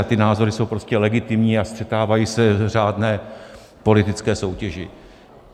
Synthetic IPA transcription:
t̪ɪnaːzo̞ɾɪso̞wpɾo̞scɛlɛɡɪt̪ɪmɲiːast̪r̥ɛt̪aːvajiːsɛr̝aːdnɛː | po̞lɪt̪ɪt͡skɛːso̞wcɛʒɪ

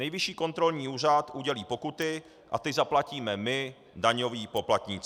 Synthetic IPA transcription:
nɛjvɪʃiːko̞nt̪ɾo̞lɲiːuːrat̪ʔuɟɛliːpo̞kut̪ɪ | ʔa̰t̪ɪzaplaciːmɛmɪ | daɲo̞viːpo̞plat̪ɲiːt͡s

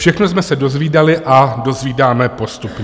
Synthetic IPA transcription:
fʃɛxnosmɛsɛdo̞zviːdalɪʔado̞zviːdaːmɛpo̞st̪upɲ

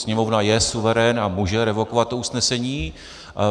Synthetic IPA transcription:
sɲɛmo̞vnajɛsuvɛɾɛnamuːʒɛɾɛvo̞kovat̪̚ːousnɛsɛɲiː

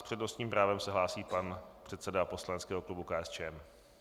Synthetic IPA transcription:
spr̥ɛdno̞st̪ɲiːmpɾaːvɛmsɛɦlaːsiːpanpr̥ɛt̪sɛdapo̞slanɛtt͡skɛːɦo̞klubukaːʔɛst͡ʃɛːɛm

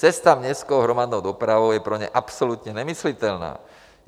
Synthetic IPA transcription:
t͡sɛst̪amɲɛskɔʊɦɾɔmad̪nɔʊd̪ɔpɾaʋɔʊjɛpɾɔɲɛ̰ʔapsɔlut̪ɲɛɲɛmislit̪ɛlna̰ː

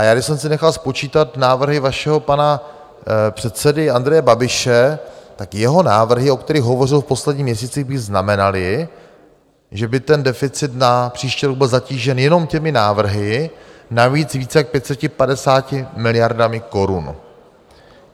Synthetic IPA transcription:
ʔajaːɡdɪʃsɛmsɪnɛxalspo̞t͡ʃiːt̪at̪naːvr̩ɦɪvaʃɛɦo̞pana | pr̥ɛt̪t͡sɛdɪand̪ɾɛjɛbabɪʃɛt̪akjɛɦo̞naːvr̩ɦɪo̞kt̪ɛɾixɦo̞vo̞rɪlfpo̞slɛdɟɲiːmɲɛs̬iːt͡sɪɣbɪɣznamɛnalɪ | ʒɛbɪt̪ɛndɛfɪt͡sɪt̪napr̥iːʃciːɾoɡ̚bɪlzaciːʒɛnjɛno̞mcɛmɪnaːvr̩ɦɪnaviːt͡sviːt͡sɛjak̚pjɛt̪t͡sɛcɪpadɛsaːcɪmɪlɪjaɾdamɪko̞ɾun

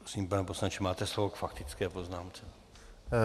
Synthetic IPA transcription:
ɾosimpɛɛposnat͡ʃɛmaːt̪ɛslovokfakt̪ɪt͡skɛːpoznaːmt͡sɛ

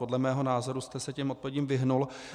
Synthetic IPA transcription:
o̞dlɛmɛːɦo̞naːzo̞ɾust̪ɛsɛcɛmo̞t̪̚povjɛɟiːmvɪɦnul

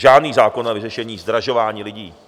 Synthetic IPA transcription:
ʒaːdniːzaːko̞navɪrɛʃɛɲiːzd̪ɾaʒo̞vaːɲiːlɪɟiː

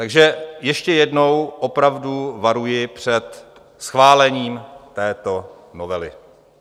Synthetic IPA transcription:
t̪aɡʒɛjɛʃcɛjɛdno̞wʔo̞pɾavduvaɾujɪpr̝̥ɛt̪ | sxvaːlɛɲiːmt̪ɛːt̪o̞ | novɛlɪ̰

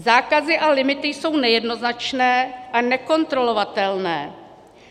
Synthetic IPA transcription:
zaːkazɪʔalɪmɪt̪ɪjso̞wnɛjɛdno̞znat͡ʃnɛːʔanɛko̞nt̪ɾo̞lo̞vat̪ɛlnɛː

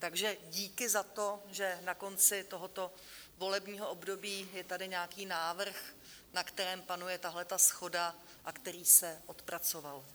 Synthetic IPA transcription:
t̪aɡʒɛɟiːkɪzat̪oʒɛnako̞nt͡sɪt̪oɦo̞t̪o̞ | vo̞lɛbɲiːɦoʔobdo̞biːjɛt̪adɪɲɛakiːnaːvr̩x | nakt̪ɛɾɛːmpanujɛt̪aɦlɛt̪asxo̞da | ʔakt̪ɛɾiːsɛʔo̞t̪pɾat͡so̞val

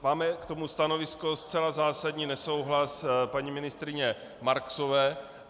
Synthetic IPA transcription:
maːmɛkt̪o̞must̪ano̞vɪskost͡sɛlazaːsadɲiːnɛso̞wɦlaspaɲimɪnɪst̪ɾɪɲɛ | maɾksovɛː

